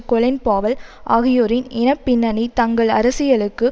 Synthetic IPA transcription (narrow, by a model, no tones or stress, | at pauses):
kɔlɪnpaːʋɐlʔa̰ːɣɪjoːɾɪnɪnɐpːɪnːɐnit̪ɐŋɡɐɭɐ̰ɾɐsɪjɐɭɯkːɯ